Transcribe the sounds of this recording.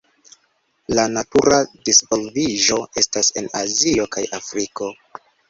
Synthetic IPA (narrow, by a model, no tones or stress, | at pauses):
lanatuɾadispo̞lviʒo̞ʔe̞stase̞̰nazio̞kajafɾiko̞